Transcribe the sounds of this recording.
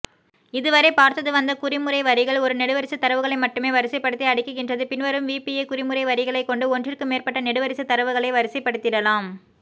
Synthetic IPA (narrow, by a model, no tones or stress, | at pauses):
ɪðɯʋɐɾeɪpaːɾt̪ːɐðɯʋɐnd̪ɐkʊɾɪmɯrɐɪʋɐɾɪɣɐɭɔɾɯnɛɽɯʋɐɾɪsɯt̪ːɐɾɐʋɯɣɐɭɐɪmɐʈːɯmeːʋɐɾɪsɐɪpːɐɽɯt̪ːiɐɽɪkːɯɣɪndrɐðɯpɪnʋɐɾɯmʋiːpijekʊrɪmɯɾɐɪʋɐɾɪɣɐɭɐɪkːɔɳɖɯɔndrɪrkɯmeːrpɐʈːɐnɛɽɯʋɐɾɪsɯt̪ːɐɾɐʋɯɣɐɭeɪʋɐɾɪsɐɪpːɐɽɯt̪ːɪrɐlaːm